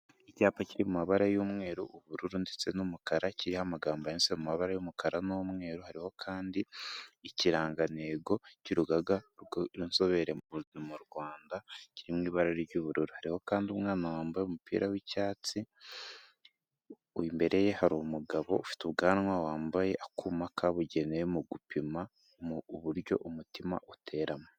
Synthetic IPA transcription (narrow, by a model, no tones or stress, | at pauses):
icaːpaciɾimumaβaɾajumŋe̞ːɾuʔuβuɾuɾundet͡se̞numukaɾaciɾihamaɡaːmbajensemumaβaɾajumukʰaɾanomŋe̞ːɾuhaɾiho̞kʰaːndiː | ciɾaːŋɡane̞ɡo̞cuɾuɡaɡaɾunso̞βe̞ɾe̞uumuɾɡwaːndaciɾimŋiːβaɾaɾiɾɟuβuɾuɾuhaɾiho̞kaːndiumŋaːnawaːmbajeumupḭːɾʔawicaːt͡si | uimbe̞ɾʔe̞je̞haɾumuɡaβo̞̰ufi̥tuβɡaːnwawaːmbaje̞ʔakumakʰaβuɟe̞nejemuɡupima | βuɾjo̞̰ʔumutima̰ʔutʰe̞ɾʔamo